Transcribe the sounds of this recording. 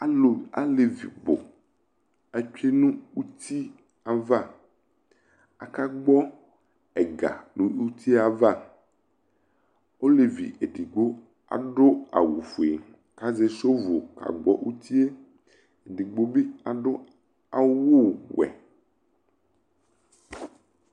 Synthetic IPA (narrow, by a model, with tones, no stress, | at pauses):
a˨lo˨a̰˨le˨vḭ˨bo̰˨ | a˨t͡ʃᶣe˦nũ˦wu˦t̪ʰi˦ | a˨va˦˨ | a̰˨ka˦ɡ͡bɔ˦ | ɛ˨ɡa̰˨nũ˨˦u˦t̪ʰi˦a˨va˦˨ | o˦le˨vḭ˨e˨ɖi˨ɡ͡bo˦ | a̰˨ɖo˦a̰˨wṵ˨fu˨e˨ | ka˦ze˦so˦vo˨ka̰˨ɡ͡bɔ̰˦ʔu˦t̪i˦e˦ | e˨ɖi˨ɡ͡bo˦bi˦a˨ɖo˦ | a˨wo˦˨wɛ̰˨